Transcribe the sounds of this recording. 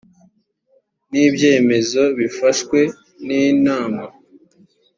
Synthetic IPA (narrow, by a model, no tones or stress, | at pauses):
niːbje̞ːme̞zo̞βifaʃkwe̞ | niːnaːma